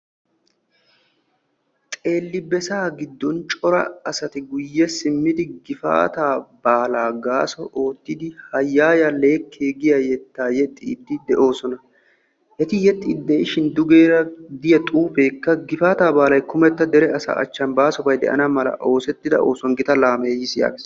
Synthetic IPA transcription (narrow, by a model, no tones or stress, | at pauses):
t̪ʼe̞ːlːɪbɛsaːɡɪd̪ːɔnt͡ʃʼɔɾɐ̰ɐsɐt̪ɪɡʊjːɛsɪmːɪd̪ɪɡɪfa̰ːt̪aːb̥aːlaːɡaːsɔʔo̞ːt̪ːɪd̪ɪhɐjːaːjɐle̞ːkʰːeːɡɪjɐjɛt̪ːaːjɛt̪ʼːḭːd̪ːɪd̪ɛʔo̞ːsɔnɐ | ɛt̪ɪjɛt̪ʼːiːd̪ːɛɪʃɪnd̪ʊɡeːɾɐd̪ɪjɐt̪ʼuːfe̞ːkːɐɡɪfaːt̪aːbaːlɐjkʊmɛt̪ːɐd̪ɛɾɛɐsa̰ʔɐ̰t͡ʃːɐnbaːsɔbɐjd̪ɛ̰ʔɐ̰nɐmɐlɐ̰ʔo̞ːsɛt̪ːɪd̪ɐ̰o̞̰ːsɔŋɡɪt̪ɐlaːmeːjɪsɪja̰ːɡes